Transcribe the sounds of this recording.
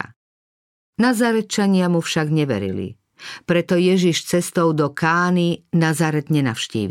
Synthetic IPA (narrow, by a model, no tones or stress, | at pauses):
nazaɾɛt͡ʃaɲɪamufʃaɡɲɛʋɛ̰ɾḭlḭ | pɾɛt̪ɔjɛʒiʃt͡sɛst̪ɔʊd̪ɔkaːninazaɾɛd̪ɲɛna̰wʃcḭːʋ